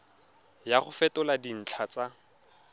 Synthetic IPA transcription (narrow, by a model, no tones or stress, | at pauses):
jaχʊfɛtʊladin̩t͡ɬʰat͡sa